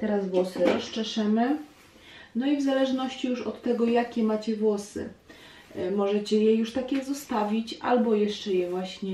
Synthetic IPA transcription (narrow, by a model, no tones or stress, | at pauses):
t̪ɛɾazvwɔsɘɾɔst͡ʂɛʂɛmɘ | nɔivzalɛʐnɔɕt͡ɕijuʂɔt̪ːɛɡɔjakʲɛmat͡ɕɛvwɔsɘ̰ | mɔʐɛt͡ɕɛjɛjuʂt̪akʲɛzɔst̪avʲit͡ɕʔa̰lbɔjɛʂt͡ʂɛjɛvwaɕɲɛ